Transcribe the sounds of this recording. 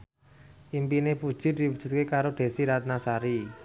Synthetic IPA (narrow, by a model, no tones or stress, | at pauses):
ʔimpinepud̥ʒ̥ɪ̤d̪̥iwud̥ʒ̥ṳt̪̚kekaɾoɖ̪̥e̤siɾat̪̚nasaɾi